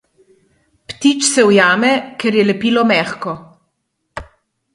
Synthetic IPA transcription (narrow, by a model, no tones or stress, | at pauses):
pt̪it͡ʃsɛwjaːmɛkɛɾjɛlɛpiːlɔmɛːxkɔ